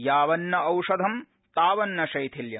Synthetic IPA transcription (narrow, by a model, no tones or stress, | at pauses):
jaːʋɐnːɐɐwʂɐd̪ʱɐm | t̪aːʋɐnːɐʃɐjt̪ʰiljɐ